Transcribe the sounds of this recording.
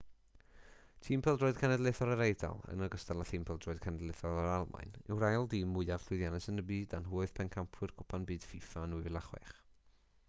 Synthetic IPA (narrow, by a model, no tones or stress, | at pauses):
tʰiːmpʰɛlˠdroːɨðkʰanɛdlˠeθɔlˠəɾejda̰lˠə̰nəɡəstalˠaθiːmpʰɛlˠdroːɨð̥kʰanɛdleθɔlˠəɾalˠma̰jnɪ̰wrajlˠdiːmːʊɨav̥ɬwɨjðjanɛsənəbiːdanɦuːɨð̥pʰɛnkʰampʰwɨrkʰʊpʰanbɨːd̥fifanuvɪlˠaχwɛ̰χ